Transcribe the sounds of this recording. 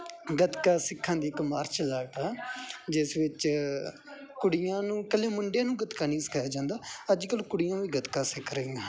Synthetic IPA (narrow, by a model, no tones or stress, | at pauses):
ɡət̪kaːsɪkʰːãːd̪iːɪkmaːɾt͡ʃlaːʈaːd͡ʒɪsʋɪt͡ʃ | kʊɽɪjãːnũːkəleːmʊɳɖjẽːnũːɡət̪kaːnĩːsə̥kʰaːjaːd͡ʒãːnd̪aːəd͡ʒkəlkʊɽɪjãːʋiːɡət̪kaːsɪkʰɾəiːãː